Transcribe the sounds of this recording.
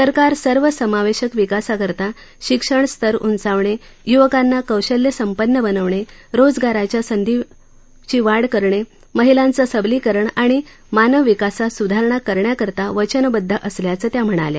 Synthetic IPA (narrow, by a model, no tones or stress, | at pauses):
səɾkaɾsəɾʋəsəmaʋeɕəkʋikasakəɾt̪a | ɕikʂəɳst̪ʰəɾṵnt͡saʋɳe | juʋəkãnːakəwɕəljəsəmpənːəbənəʋɳeɾod͡zɡaɾat͡ɕjasənd̪ʱiʋ | t͡ɕiːʋaɽkəɾɳe | məɦilãnt͡səsəbliːkəɾəɳaɽ̃i | manəʋʋikasasud̪ʱaɾəɳakəɾɳjakəɾt̪aʋət͡ɕənbəd̪ʱːəʔəsljat͡səːt̪jam̤əɽ̃a̰lja̰